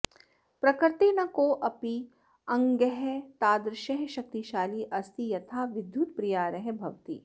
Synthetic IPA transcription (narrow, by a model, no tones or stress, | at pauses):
pɾɐkɾt̪inɐkoːʔɐpi | ɐ̃ŋɡəɦɛt̪aːd̪ɾɪʃɐɦʃɐk̚t̪iʃaːliʔɐst̪ijɐt̪ʰaːʋɪd̪ʱjuːt̪pɾijaːɾɐɦbʱɐʋt̪ḭː